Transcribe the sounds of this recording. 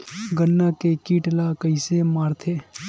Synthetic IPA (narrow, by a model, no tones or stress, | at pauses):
ɡənːakekiːʈlakəɪsemaːɾt̪ʰeː